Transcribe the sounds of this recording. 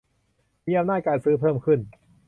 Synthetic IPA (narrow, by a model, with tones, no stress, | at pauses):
miː˧ʔa˧mnaː˥˩t̪̚kaː˧nsɯː˦˥pʰɤː˥˩mkʰɯ˥˩n